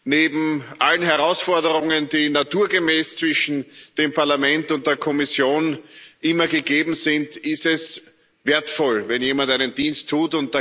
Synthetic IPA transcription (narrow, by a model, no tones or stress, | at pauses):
neːbm̩ʔalənɦɛʁaʊsfɔɐdəʁʊŋəndiːnatʰuːɐɡəmɛːst͡sv̥ɪʃn̩d̥eːmpʰaɐlamɛ̃ntʊnt̚d̥eːɐkʰɔmɪsjoːnʔɪmɐɡəɡeːbm̩zɪntɪstɛs | veːɐtfɔlvɛnjeːmantæɪnənd̥iːnstʰːuːtʊnt̚d̥a